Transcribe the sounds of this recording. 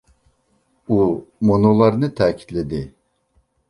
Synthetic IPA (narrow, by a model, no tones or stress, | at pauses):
umonolˠaɾɯnɯt̪ʰaːcʰi̥t̪lʲed̪i